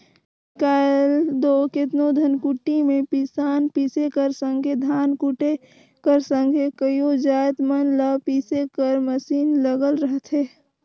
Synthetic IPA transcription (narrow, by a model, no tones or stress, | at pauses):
kəld̪oːkɪt̪nod̪ʱənkuʈːimẽpisaːnpiːsekəɾsə̃ŋɡʱed̪ʱaːnkuʈe | kəɾsə̃ŋɡʱekəjod͡ʒaːjt̪mənləpiːsekəɾməsiːnləɡəlɾəɦt̪ɦeː